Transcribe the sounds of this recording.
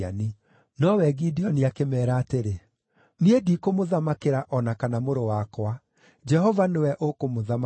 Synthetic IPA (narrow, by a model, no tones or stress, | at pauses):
ani | nɔwɛɡidiɔniakemɛːɾaːteɾe | niedikomoðamakeɾaʔɔnakanamoɾowakwa | d͡ʒɛhɔvanewɛʔokomoðam